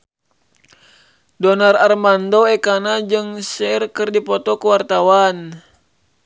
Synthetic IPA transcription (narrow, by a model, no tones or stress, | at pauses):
dɔnararmandoɛkanad͡ʒɨŋsɛrkɨrdipɔt̪ɔkuwart̪awan